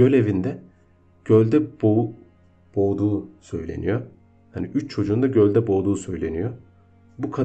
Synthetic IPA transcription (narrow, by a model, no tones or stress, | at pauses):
ølʲe̞vind̪ɛ | ɟ̥ølʲd̪ɛbo | b̥o̞ːd̪uːsø̞̰jlʲe̞̰nḭjo | haniʔyt͡ʃt͡ʃʰo̞d͡ʒuːnd̪aɟø̞lʲd̪ɛbo̞ːd̪uːsø̞jlʲe̞nijo | bukʰa